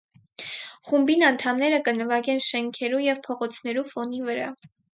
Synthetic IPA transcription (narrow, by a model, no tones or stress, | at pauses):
χumbinɑnt̪ʰɑmnɛɾəkənəvɑɡɛnʃɛŋkʰɛɾujɛvpʰɔʁɔt͡sʰnɛɾufɔnivəɾɑ̰